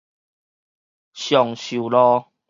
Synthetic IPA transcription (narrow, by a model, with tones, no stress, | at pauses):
ɕjɔ˨ŋɕu˨˩lɔ˦